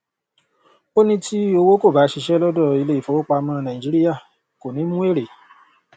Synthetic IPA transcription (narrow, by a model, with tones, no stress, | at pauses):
o˦nĩ˧ti˦o˧wo˦ko˦˨ba˨˦ʃi˧ʃɛ˦lɔ˦dɔ˦˨i˧le˦i˨fɔ˨˦o˦k͡pa˧mãː˦˧nã˨ĩ˨d͡ʒi˨˦ɾi˦ja˦˨ | ko˨nĩ˨˦mũ˦e˦˨ɾe˨